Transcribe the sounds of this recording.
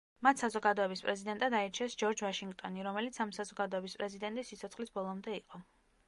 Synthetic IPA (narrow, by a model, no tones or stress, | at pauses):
mat̪ʰsazɔɡad̪ɔɛbispʼɾɛzid̪ɛnt̪ʼad̪aɛɾt͡ʃʰɛsd͡ʒɔɾd͡ʒvaʃiŋɡt̪ʼɔniɾɔmɛlit̪sʰamsazɔɡad̪ɔɛbispʼɾɛzid̪ɛnt̪ʼisːit̪sʰɔt̪sχlisbɔlˠɔmd̪ɛiqʼɔ